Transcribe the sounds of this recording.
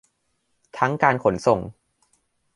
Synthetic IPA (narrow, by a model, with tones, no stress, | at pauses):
t̪ʰa˦˥ŋkaː˧nkʰo˩˦nso˨˩ŋ